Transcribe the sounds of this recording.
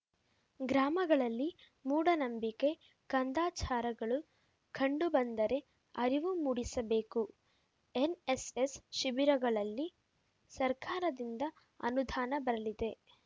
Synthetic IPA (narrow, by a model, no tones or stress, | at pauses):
ɡɾaːmɐɡɐɭɐlːi | muːɽɐnɐmbike̞ | kɐnd̪aːt͡ʃaːɾɐɡɐɭu | kʰɐɳɖubɐnd̪ɐɾe̞ | ɐɾiʋumuɽisɐbe̞ːku | enesesʃibiɾɐɡɐɭɐlːi | sɐɾkaːɾɐd̪ind̪ɐ | ɐ̰nud̪ʱaːnɐbɐɾɐlid̪e̞